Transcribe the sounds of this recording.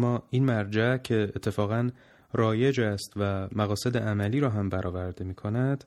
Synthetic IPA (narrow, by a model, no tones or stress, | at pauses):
mːɒːinmæɾd͡ʒæcʰe̞ːt̪ʰːe̞fɒːɣæn | ɾɒːje̞d͡ʒæst̪væmæɣɒːse̞d̪eʔæmæliːɾɒːɦæmbæɾʔɒːvæɾd̪emiːkʰo̞næd̪̥